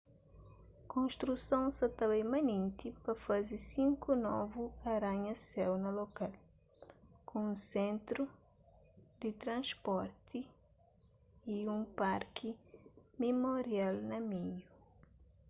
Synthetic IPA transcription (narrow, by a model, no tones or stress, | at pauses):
kõnʃt̪ɾusõw̃sɐt̪aβɐimɐ̃nẽnt̪ipɐfazisĩŋkunɔ̰vuɐɾãɲɐsɛwnɐlokal | kũũsẽnt̪ɾu | d̪it̪ɾɐ̃ʃpɔɾt̪i | iũmpaɾkʰimimoɾialnɐmiɲu